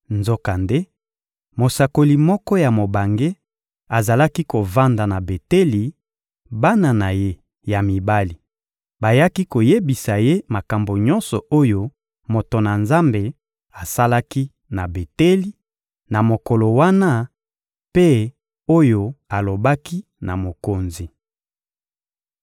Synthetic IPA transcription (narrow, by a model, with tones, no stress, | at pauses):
nzo˦ka˨nde˦ | mo˨sa˨ko˨li˨mɔ˦kɔ˦ja˨mo˨ba˨ŋɡe˦ | a˨za˨la˦ki˦ko˨va˦nda˨na˨be˨te˦li˨ | ba˦na˨na˨je˦ | ja˨mi˨ba˦li˨ | ba˨ja˦ki˦ko˨je˦bi˨sa˨je˦ma˨ka˨mbo˨ɲɔ̃˦nsɔ˨o˦jo˦ | mo˨to˨na˨nza˦mbe˨ | a˨sa˦la˦ki˦ | na˨be˨te˦li˦ | na˨mo˨ko˨lo˨wa˦na˦ | pe˦ | o˦jo˦a˨lo˨ba˦ki˦ | na˨mo˨ko˨nzi˨